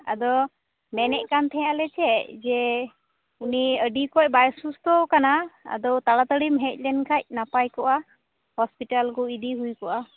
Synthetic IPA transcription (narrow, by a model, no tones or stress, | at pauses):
a̰d̪ɔ | mɛnɛʔkant̪ʰɛjalɛt͡ʃʰɛd͡ʒɛ | uniəɖikɔc̚ˀbajsust̪ɔkanaa̰d̪ɔwt̪aɽat̪əɽimɦɛc̚ˀlɛnkʰac̚napajkɔʔa | hɔspiʈalkɔid̪iɦujkɔʔa